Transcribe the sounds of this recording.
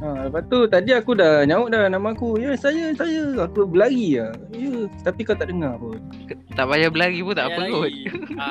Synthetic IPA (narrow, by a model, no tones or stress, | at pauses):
aləpaʔt̪ut̪adiakudahɲãʊʔ̚danamãːkujasajasajaakubəlaɡiah | jət̪apikat̪aʔdəŋaə | t̪aʔbajabəlaɡipunt̪aʔpəlut̪̚